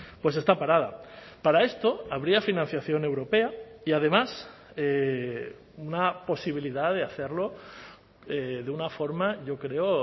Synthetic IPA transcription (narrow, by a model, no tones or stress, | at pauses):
pwe̞se̞st̪apaɾað̞a̰ | paɾae̞st̪o̞aβɾiafinãn̟θjaθjo̞ne̞wɾo̞pe̞aiað̞e̞mas | e | unapo̞siβ̞iliðaðe̞aθe̞ɾlo̞ | eðeunafo̞ɾmaʝo̞kɾe̞o